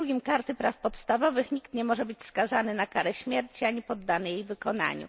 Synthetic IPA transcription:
uɡʲimkaɾt̪ɘpɾafpɔt̪st̪avɔvɘxɲikt̪ɲɛmɔʐɛbɘt͡ɕskazanɘnakaɾɛɕmʲjɛɾt͡ɕiaɲipɔd̪ːanɘjejvɘkɔn̪a̰ɲṵ

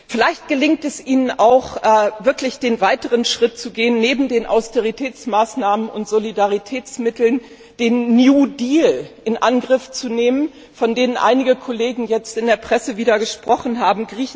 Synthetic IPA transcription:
fɪlaɪçt̚ɡ̥əlɪŋk̚tɛsʔiːnənaʊχʔɛvɪɐklɪçd̥eːnvaɪtəʁənʃʁ̥ɪt̚t͡suɡeːənːeːbm̩deːnʔa̰ʊsteʁ̞itʰɛːt͡smaːsnaːmənʊntz̥olidaʁ̞itʰɛːt͡smɪtl̩n | d̥eːnːjuːdiːlʔɪnʔanɡʁɪft͡suneːmən | fɔndeːnənʔa̰ɪnɪɡəkʰɔleːɡŋ̩jɛt͡stɪndeːɐpʁ̥ɛsəviːdɐɡəʃpʁ̥ɔχn̩ɦaːbm̩ɡʁiːç

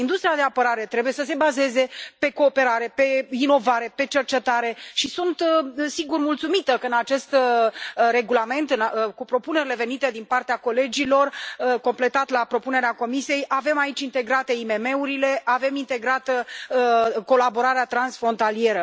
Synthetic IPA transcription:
ind̪ust̪ɾiad̪e̞apəɾaɾe̞t̪ɾe̞buje̞səs̬e̞baze̞ze̞pe̞ko̞ːpe̞ɾaɾe̞pe̞ino̞vaɾe̞pe̞t͡ʃe̞rt͡ʃe̞t̪aɾe̞ʃisunt̪siɡurmult̪sumit̪əkəɨnat͡ʃe̞st̪ | re̞ɡulame̞nt̪ɨnkupɾo̞pune̞ɾile̞ve̞nit̪e̞d̪inpart̪eako̞le̞d͡ʒilo̞rko̞mple̞t̪at̪lapɾo̞pune̞ɾeako̞misije̞jʔave̞mait͡ʃʲint̪e̞ɡɾat̪eime̞me̞uɾile̞ʔave̞mint̪e̞ɡɾat̪ | ko̞labo̞ɾaɾeat̪ɾansfɾo̞nt̪alije̞ɾə

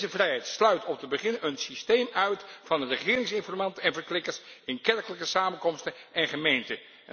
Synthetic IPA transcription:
zəvrɛjɦɛjtslœɥtɔp̚dəbəχɪnənsistejmœɥtfɑndərəχɪːɾɪŋsɪnfɔrmɑntəɛnvəɹklɪkəɹsɪnkɛɹkələkəsaːmənkɔmstənɛnχəmejntə

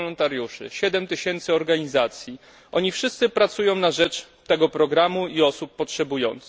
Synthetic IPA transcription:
lɔnt̪aɾjuʂɘ̰ɕɛd̪ɛmt̪ɘɕɛnt̪sɘɔɾɡaɲizat̪sʲji | ʔɔɲifʂɘst̪sɘpɾat̪sujɔ̃w̃naʐɛt͡ʂ | t̪ɛɡɔpɾɔɡɾamuiɔsupːɔtʂɛbujɔ̰nt̪s

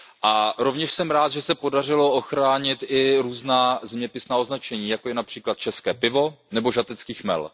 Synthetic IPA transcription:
ʔaɾo̞vɲɛʃsɛmɾaːt̪ʒɛsɛpo̞dar̝ɪlo̞oxɾaːɲɪt̪ʔɪɾuːznaːzɛmɲɛpɪsnaːo̞znat͡ʃɛɲiːjakojɛnapr̝̥iːklat̪̚t͡ʃɛskɛːpɪvo̞ | nɛbo̞ʒat̪ɛt͡skiːxmɛ̰l

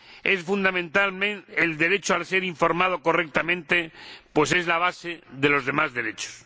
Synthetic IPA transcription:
esfund̪amẽnt̪almẽneld̪e̞ɾe̞t͡ʃoalseɾiɱfo̞ɾmað̞oko̞rek̚t̪amẽnt̪epwese̞zlaβ̞aseðelo̞zðe̞mazðe̞ɾe̞t͡ʃo̥s

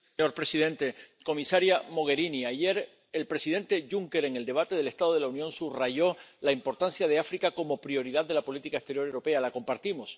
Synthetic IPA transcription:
ɲo̞ɾpɾe̞siðe̞nt̪e̞ko̞misaɾjamo̞ɣ̞e̞ɾiniaʝe̞ɾ | elpɾe̞siðe̞nt̪e̞ʝuŋke̞ɾe̞ŋe̞ld̪e̞β̞at̪e̞ð̞e̞le̞st̪aðo̞ð̞e̞launjõ̞nsuraʝo̞laimpo̞ɾt̪ansjað̞e̞afɾikako̞mo̞pɾio̞ɾiðaððːelapo̞lit̪ikaest̪eɾjo̞ɾewɾo̞pe̞alako̞mpaɾt̪imos

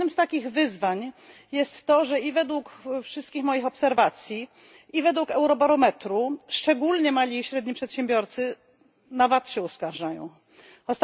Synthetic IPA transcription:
nɘmst̪akʲiɣvɘzvaɲ | jɛst̪ːɔʐɛivɛd̪wukfʂɘst̪kʲixmɔjixɔpsɛɾvat̪sʲji | ivɛd̪wukɛwɾɔbaɾɔmɛt̪ɾuʂt͡ʂɛɡulɲɛmalʲiɕɾɛd̪ɲipʂɛt̪ɕɛmbʲjɔɾt̪sɘ | navat̪ɕɛɔskaɾʐajɔ̰̃w̃ | ɔst̪

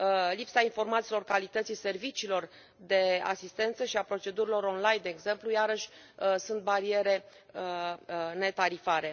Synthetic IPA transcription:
lipsainfo̞rmat̪silo̞rkalit̪ət̪sijse̞rvit͡ʃiːlo̞r | d̪e̞a̰sist̪e̞nt̪səʃiapɾo̞t͡ʃe̞d̪uɾilo̞ɾo̞nlajnd̪e̞ːɡze̞mplujaɾəʃʲ | sunt̪̚baɾie̞ɾe̞ | əne̞t̪aɾifaɾe̞

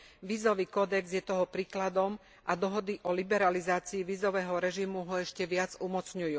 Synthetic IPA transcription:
ʋiːzɔʋiːkɔd̪ɛɡzjɛt̪ɔɦɔpɾiːklad̪ɔm | ʔad̪ɔɦɔd̪iʔɔlibɛɾalizaːt͡siiʋiːzɔʋɛːɦɔɾɛʒimuɦɔɛʃcɛʋɪad͡zumɔt͡sɲujuː

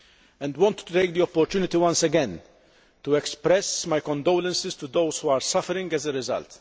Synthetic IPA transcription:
ɛ̃nd̪wɔ̃nt̪ːut̪eɪk̚d̪iɔpːɔɾt̪juːnɪt̪iwɐ̃nsɛɡɛ̃n | t̪uɛkspɾɛsmajkɔ̃nd̪oːlɛ̃nsɪst̪ud̪oʊshuːaːɾsɐfəɾɪ̃ŋɡɛzɛɾɪzɐ̰lt̪

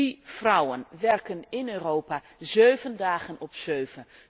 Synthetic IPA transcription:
ifrɔwənʋɛrkənɪnøːrowpa | zøːvəndaːχənɔpsøːvən

